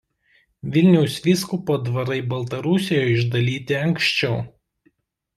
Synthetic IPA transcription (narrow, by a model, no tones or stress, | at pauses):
ʋʲɪlʲnʲɛʊsʋʲiːskʊpoːd̪ʋɐɾɐɪbɐlˠt̪ɐɾʊsʲɪjoɪʒd̪ɐlʲiːt̪ʲɪɐŋkʃʲt͡ʃʲɛʊ